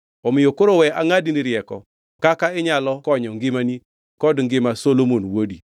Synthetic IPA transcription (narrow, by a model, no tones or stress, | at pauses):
ɔmɪjokoɾowɛʔaŋadiniɾjɛkɔ̰ | kakaɪɲalɔkɔɲɔŋɡɪmani | kɔdŋɡɪmasolomonwodi